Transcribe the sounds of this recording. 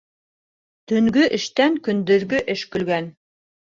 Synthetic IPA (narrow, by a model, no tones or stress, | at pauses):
t̪ɵ̆ŋɡɵʔɘ̆ʃt̪æŋkɵ̆nd̪ɵ̆ɾɡɵʔɘʃkɵ̆lɡæn